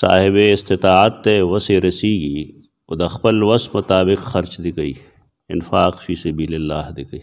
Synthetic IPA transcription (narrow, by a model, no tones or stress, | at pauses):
sa̰ːɦɪbeɪst̪ɪt̪aːat̪ːeʋɐseɾɐsiːɡiː | ʊd̪ɐxpɐlʋɐsmʊt̪aːbɪqxɐɾt͡ʃd̪ɪkəi | ɪ̰nfaːqfiːsɐbiːlelːaːhd̪ɪkəiː